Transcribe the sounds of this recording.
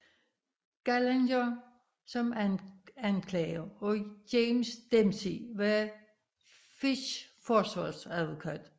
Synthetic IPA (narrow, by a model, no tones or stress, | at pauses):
ɡ̥ælendɐ | sɒ̽mænænkʰlɛɪɐɒdeːmsd̥emsiʋæ | fiɕfɒsʋɑsæðˠʋokʰæd̥